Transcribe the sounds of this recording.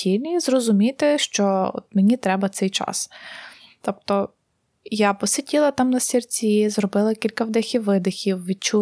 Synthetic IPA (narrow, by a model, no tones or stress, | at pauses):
ilʲnʲizrɔzʊmʲit̪ɪʃt͡ʃɔɔ̰t̪menʲit̪ɾɛbɐt̪sɛjt͡ʃɑ̰s | t̪ɔp̚t̪ɔ | japɔsɪtʲilˠɐt̪ɑmnɐsʲirt͡sʲizrɔbɪlˠɐkʲilʲkɐwd̪ɛxʲiwːɪd̪ɪxʲiwʋʲid̚t͡ʃu